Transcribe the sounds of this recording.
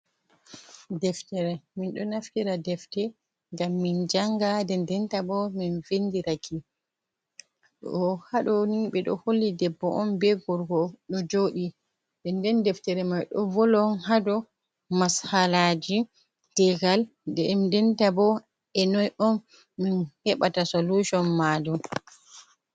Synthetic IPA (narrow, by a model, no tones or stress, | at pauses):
dɛftɛɾɛminɗɔnaftiɾadɛftɛ | ŋɡamːind͡ʒaŋɡadɛndɛntabɔminvendiɾakʰi | ɔhaɗɔniɓɛɗɔ̰holːidɛbːɔʔɔmbɛɡɔɾɡɔɗɔd͡ʒoɗi | dɛndɛndɛftɛɾɛmajɗɔ̰vɔlɔnhadɔ | mashalad͡ʒi | tɛɡal | dɛmdɛntabɔ | ɛnɔjɔnː | inhɛɓatasoluʃɔnmadum